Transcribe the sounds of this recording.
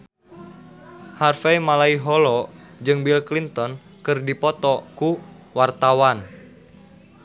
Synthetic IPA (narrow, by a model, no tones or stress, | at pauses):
harfɛjmalaiɦɔlɔd͡ʒɨŋbilklint̪ɔn | kɨrdipɔt̪ɔkuwart̪awan